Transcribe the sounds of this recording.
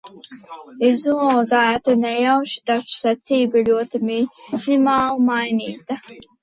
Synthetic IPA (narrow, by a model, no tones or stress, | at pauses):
izuzajat̪anɛjawʃi̥d̪at͡ʃu̥sɛt̪siːbalʲuɔt̪ɨminimaːlˠmajniːt̪a